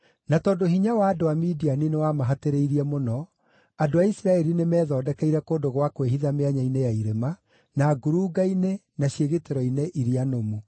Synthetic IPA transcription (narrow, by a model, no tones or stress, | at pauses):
natɔːdoɦiɲawaːdoamidianinewamaɦateɾeiɾiɛmonɔ | adoaisɾaɛɾinemɛːðɔːdɛkɛiɾɛkoːndoɣwakweɦiðameaɲainejaiɾema | naɡuɾuːɡainenaɕjeɣeteɾɔineʔiɾianomu